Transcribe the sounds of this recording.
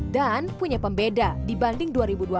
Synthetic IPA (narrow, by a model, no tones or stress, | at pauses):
danpuɲapəmbedadibandɪŋduaɾibudua